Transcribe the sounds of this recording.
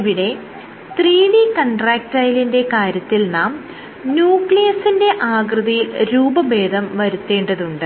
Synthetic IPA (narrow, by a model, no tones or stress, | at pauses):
ʋiɽe̞ | t̪riːɳikɐɳɖraːk̚ʈɐjlinde̞kaːɾjɐt̪ːilnaːm | njuːkɭijɐsinde̞ʔaːɡrɨðɐjilɾuːbɐbe̞ːd̪ʱɐmʋɐɾut̪ːe̞ːɳɖɐðuɳɖɨ